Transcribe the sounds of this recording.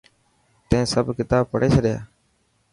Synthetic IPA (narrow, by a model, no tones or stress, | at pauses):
t̪ẽːsəbkɪt̪aːb̚pəɽeːt͡ʃʰəɗɪja̰ː